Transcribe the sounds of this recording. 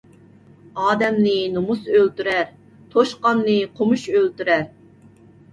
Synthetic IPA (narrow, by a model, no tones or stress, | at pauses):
ɑːd̪ɛmnɪnomusølt̪yɾɛɾ | t̪ʰoʃqɑnnɨqʰomuʃølt̪yɾæɾ